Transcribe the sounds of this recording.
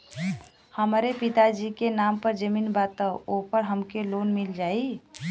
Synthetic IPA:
həmɾepit̪ad͡ʒikenampəɾd͡ʒəmiːnbat̪əopəɾɦəmkelonmild͡ʒai

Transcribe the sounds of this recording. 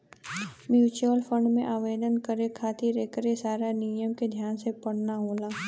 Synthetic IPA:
mjuːt͡ʃuəlfʰə̃ɳɖmḛ̃ʔaːʋeːd̪ənkəɾekʰaːt̪iɾeːkəɾesaːɾanijəmked̪ʱjaːnsepəɽ̤naɦoːlaː

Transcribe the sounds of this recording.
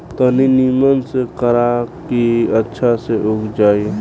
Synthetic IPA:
t̪əninimənsekəɾakiətːʃʰaseʔʊkd͡ʒaːi

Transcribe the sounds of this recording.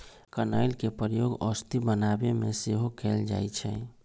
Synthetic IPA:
kəna̰ilkepɾəjoɡɔst̪ibənabemeseɦokʰeld͡ʒa̰jt͡ʃʰɛ̰̃

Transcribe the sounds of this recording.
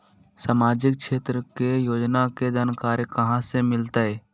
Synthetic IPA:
saːmaːd͡ʒɪk̚ʃeːt̪ɾəkejoːd͡ʒnaked͡ʒaːnkaːɾjəkɐɦãsemɪlt̪aɦɛː

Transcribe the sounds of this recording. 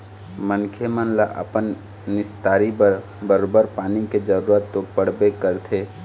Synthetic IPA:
mənkʰemənlaʔɐ̰pənː | ɪst̪aːɾi | bəɾobəɾpaːniked͡ʒəɾuːɾət̪ːopəɽ̤bekəɾt̪ʰeː

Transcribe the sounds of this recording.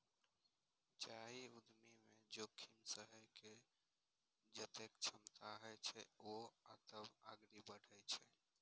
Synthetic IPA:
t͡ʃaɦiud̪mimed͡ʒokʰimsəɦəjke | d͡ʒət̪ekt͡ʃʰəmt̪aɦəjt͡ʃʰɛoat̪əbaɡɾibəɽ̤ʱəjt͡ʃʰɛ

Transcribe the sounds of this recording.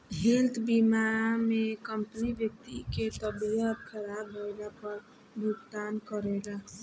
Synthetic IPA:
ɦelt̪bimamẽkəmpəniʋjək̚t̪iket̪əbiəb̪̚kʰəɾaːbɦolapəɾ | bʱukt̪aːnkəɾeɡa

